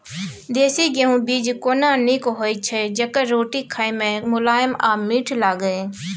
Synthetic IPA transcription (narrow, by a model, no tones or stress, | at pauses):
d̪eːsiɡeɦũbiːd͡ʒkoːnanikɦoːit͡ʃʰɛd͡ʒɐkəɾoːʈikʰaːemẽmʊlaːjəmaːmiːʈʰlaːɡəeː